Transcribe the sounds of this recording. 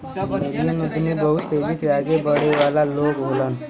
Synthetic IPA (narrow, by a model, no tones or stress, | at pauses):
meɾijənud̪ʱnibəɦʊt̪t̪eːd͡ʒisaːɡebəɽeʋaːlaloːɡɦolən